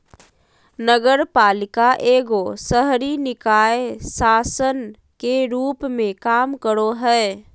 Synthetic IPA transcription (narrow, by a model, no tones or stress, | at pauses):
nəɡəɾpaːlɪkaʔeːɡosəɦɾinɪkaːesaːsən | keɾuːpmẽkaːmkəɾoɦɛː